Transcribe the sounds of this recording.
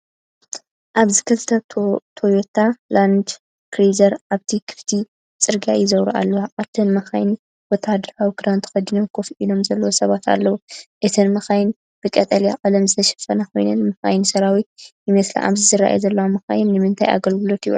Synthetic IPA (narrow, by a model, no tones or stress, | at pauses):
ʔaβzɨkʰɨlt̪ʰɐt̪ʰojot̪ʰaland̪ | kɾizɐɾaβt̪ʰikʰɨ̥ft̪ʰi | t͡sʼɨɾɡa̰jɪzɐwɾuʔa̰lːɐwaʔaβt̪ʰɨnmɐxa̰jn | wɔt̪ʰad̪ɐɾawikɨɾant̪ʰxɐd̪inomkʰo̞fʔilo̞mzɐlːɐwosɐβat̪ʰa̰lːɐwuʔɨt̪ʰɨnmɐxajɪn | b̥ɨkʼɐt̪ʼɐlja̰ʔʼɐlɐmzɨt̪ʰɐʃɐ̥fɐnɐko̞̰jnɨnmɐxa̰jnsɐɾawijɨmɐsla̰ʔa̰βzɨzɨɾa̰ʔa̰jzɐlːɐwamɐxa̰jɪnːɨmɨnt̪ʰa̰ja̰ɡɐlɡɨlo̞t̪ijṵ